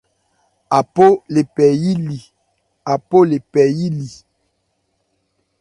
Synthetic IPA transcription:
a˨po˦le˨pɛ˨ji˦li˨ | a˨po˦le˨pɛ˨ji˦li˨

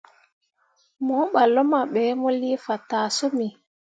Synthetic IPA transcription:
mɔ˦ɓa˨lːɔ˦ma˨ɓɛ˨˦mɔ˦li˦fa˨taː˨so˦mi˨

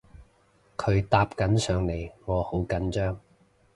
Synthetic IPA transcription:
kʰɵ˨˧ɥt̪aː˧p̚kɐ˨˥nsœː˨˧ŋle˨˧jŋɔː˨˧ho˨˥wkɐ˨˥nt͡ʃœː˥ŋ

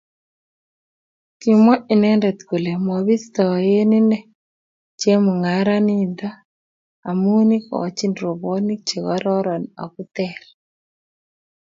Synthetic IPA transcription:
ti˨mɔ˦ʔi˨nɛ˦ndɛ˨t̪ko˨le˨mɔ˨βi˦st̪ɔ˨je˦ni˦nɛ˦ | t͡ʃje˦mʊ˨ŋa˨ɾa˦ni˦nd̪aː˦˨ | mu˦ni˦kɔ̰˨t͡ʃi˦ndɾo˨bɔ˦ni˦k̚t͡ʃe˨kɔ˦ɾɔ˦ɾɔ˨na̰˨ku˦t̪ɛ˨l

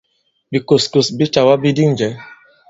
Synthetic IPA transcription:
bi˨ko˨sko˨sbi˦t͡ʃa˨wa˦bi˦di˦n˨d͡ʒɛ˨˦

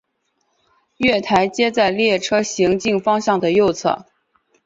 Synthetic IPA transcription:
ɥɛ˥˩t̪ʰa˧˥ɪt͡ɕjɛ˥t͡sa˥˩˧ɪljɛ˥˩ʈ͡ʂʰɤ˥ɕi˧˥ŋt͡ɕi˥˩ŋfɑ˥ŋɕjɑ˥˩ŋd̪ə˩jo˥˧ʊt͡sʰɤ̰˥˩

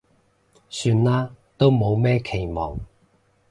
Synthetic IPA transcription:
syː˧nlaː˥t̪o˥wmo˨˧wmɛː˥kʰe˨˩jmɔː˨˩ŋ

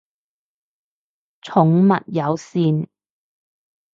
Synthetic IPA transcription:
t͡sʰʊ˨˥ŋmɐ̰˨t̚jɐ˨˧wsiː˧n

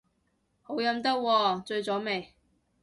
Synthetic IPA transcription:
ho˨˥wjɐ˨˥mt̪ɐ˥k̚wɔː˧t͡ʃɵ˧ɥt͡sɔː˨˥me˨˩j

